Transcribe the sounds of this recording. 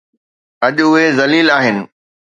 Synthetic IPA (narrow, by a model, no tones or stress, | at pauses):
ɐʄʊɦezɐliːlaːɦɪnɪ̆